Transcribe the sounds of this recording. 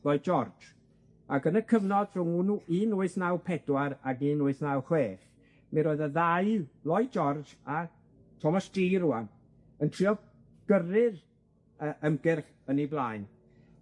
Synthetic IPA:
lˠɔɨd͡ʒɔrd͡ʒ | aɡənəkʰəvnɔd̥rʊŋunuʔiːnʊɨθnawpʰɛdwaɾaɡiːnʊɨθnawχweːθ | mɛɾoːɨðəðaɨlɔɨd͡ʒɔrd͡ʒa | tʰɔmasd̥iːɾuan | əntʰr̥iɔ | ɡ̥ərɪð | əʔəmɡɪrχ | əniblaːɨn

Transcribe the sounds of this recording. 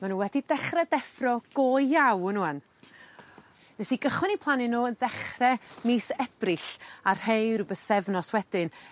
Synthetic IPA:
manuːnwɛdidɛχrɛdɛfrɔɡ̥oːjjawnuan | nɛsiɡəχwɪnipʰlˠanɪnoːənðɛχrɛmiːsɛb̥rɨɬar̥hejɾubəθɛvnɔswɛd̥ɪn

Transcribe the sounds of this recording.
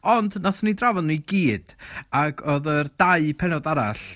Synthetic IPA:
ɔndnaθnidravɔdnuiɡiːd̥aɡɔðərdaɨpʰɛnɔdaɾaɬ

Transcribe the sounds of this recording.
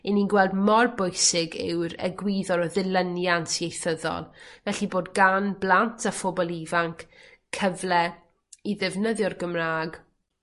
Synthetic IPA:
ɪninɡwɛlˠdmɔrbʊjsɪɡɪ̰wɾə̰ɡwiːðɔɾɔðɪlˠənjantʰiejθəðɔ̰lˠvɛɬiboːdɡanblˠantʰafɔbɔlˠivaŋkʰkʰːəvlˠɛ | iðɪvnəðjɔrɡəmraːɡ

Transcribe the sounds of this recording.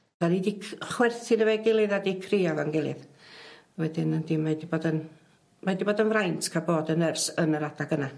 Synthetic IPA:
d̥anidiχwɛrθɪnəveɡɪlˠɨðadikʰriavanɡɪlˠɨ̰ð | wɛdɪnəndimadiboːdən | madiboːdənvrajntʰkʰaboːdənərsənəɾadaɡəna

